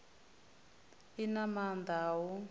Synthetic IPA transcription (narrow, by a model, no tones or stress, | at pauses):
inamand̪awɔ